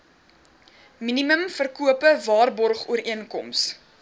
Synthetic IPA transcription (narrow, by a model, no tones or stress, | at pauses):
miniməmfərkuəpəvɑːrbɔrχṵəɾiənkɔms